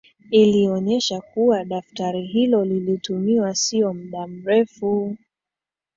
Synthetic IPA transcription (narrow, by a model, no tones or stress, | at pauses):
iliɔɲɛʃakuwaɗaftaɾiɦilɔlilitumiwasiɔm̩ɗam̩ɾɛfu